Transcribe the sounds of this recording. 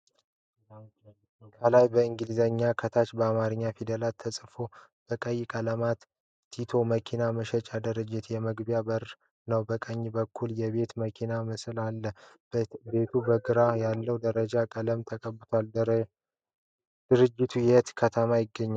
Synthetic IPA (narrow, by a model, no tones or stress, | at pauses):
kʰəlajbəɨŋɡɨlizəɲːakʰət̪ʰat͡ʃbəamaɾɨɲːafid̪əlat̪ʰːəsʼfo̞b̥əkʼəjkʼələmat̪ʰː | it̪ʰo̞məkʰinaməʃət͡ʃʼad̪əɾəd͡ʒɪt̪jɛməɡbjabəɾ | nəwbəkʼəɲːibəkʰːuljɛβe̞t̪məkʰinamɨsɨlalːə | be̞t̪ʰubəɡɨɾajalːəwd̪əɾəd͡ʒakʼələmt̪ʰəkʼəbːɨt̪ʰoal | d̪̥ɨɾɨd͡ʒːɪt̪ʰujɛt̪kʰət̪ʰəmajɪɡːəɲːal